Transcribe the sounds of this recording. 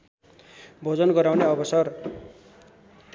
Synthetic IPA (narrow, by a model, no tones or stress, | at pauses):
bʱod͡zʌnɡʌɾawneʌbʌsʌr